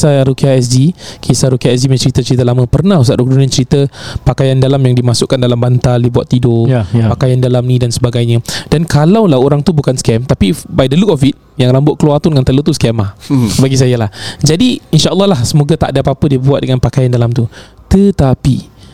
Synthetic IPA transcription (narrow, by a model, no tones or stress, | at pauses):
saɾukiaɛs̬dikʰisaɾukiaɛs̬dimãt͡ʃəɾit̪ət͡ʃəɾit̪əlamə̃pərnahus̬aʔɾuk̚dunãt͡ʃəɾit̪əpakajandalamjaŋdimasʊʔkːandalambant̪aldibuat̪ːidopakajandalamnĩdansəbaɡajɲə̃d̥ankalawlahoɾaŋt̪ubukanskɛmt̪apibajdəlukɔfit̪̚ | jaŋlambʊʔ̚kəluat̪ʊnŋant̪əlot̪uskɛmahbaɡis̬ajalahd͡ʒadiinʃaʔəlːɔɦlahsəmoɡat̪a̰ʔdapapədiəbuat̪̚dəŋanpakajandalamt̪u | t̪ət̪api